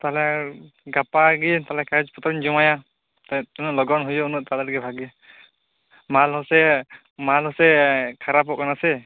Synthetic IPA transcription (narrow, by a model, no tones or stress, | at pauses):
t̪alɛ | ɡapaɡit̪alɛkad͡ʒpɔt̪ɾɔɲd͡ʒumaja | t̪aunulɔɡɔnɦujɔunuʔ̚t̪alɛɾɡɛbʱaɡi | malɦɔsɛ | malhɔsɛkʰaɾapɔʔkanasɛ